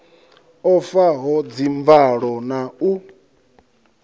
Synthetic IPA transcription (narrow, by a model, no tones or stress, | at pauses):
ɔfaɦɔd͡ziɱvaɺɔnau